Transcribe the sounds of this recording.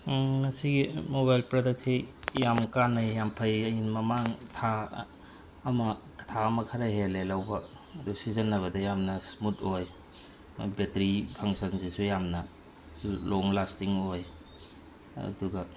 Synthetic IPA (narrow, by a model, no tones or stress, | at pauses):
ŋɐsiɡimoβajlpɾodɐk̚sijamkanajːampʰɐjɐjinmɐmaŋtʰa | mɐktʰaɐmɐkʰaɾaɦelelawbɐː | dusizɐnːɐβɐdɐjamnɐsmutoj̰ | betɾipʰaŋsɐnzisujamnɐ | loŋlastiŋoj | ɐ̰duɡɐ